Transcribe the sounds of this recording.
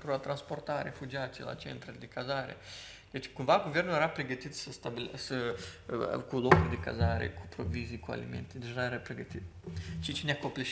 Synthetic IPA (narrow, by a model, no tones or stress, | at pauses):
k̪ɾoat̪ɾansport̪arefud͡ʒiat̪ḭla̰t͡ʃḛnt̪ɾad̪ikazaɾḛ | et͡ʃi̥kunvalɡovɛrnʊeɾapɾeɡət̪it̪səst̪abilsə | kulokɾid̪ika̰zaɾḛkʰupɾovizikua̰lḭmḛnt̪id̪iaɛɾapɾeɡət̪it̪t͡ʃit͡ʃinʲakːopliʃ